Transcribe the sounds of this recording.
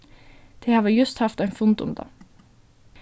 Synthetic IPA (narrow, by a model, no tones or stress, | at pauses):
d̪̥eːhɑːʋəjʉst̪hɑft̪æɪnfʊnd̪ʊ̰md̪ɑ̰ː